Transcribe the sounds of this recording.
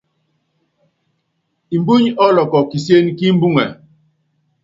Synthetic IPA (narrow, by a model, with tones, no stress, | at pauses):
i˨m˨bu˦ɲɔ˦lɔ˨kɔ˨ki˨sje˦n˦ki˦m̩˦bu˦ŋɛ˨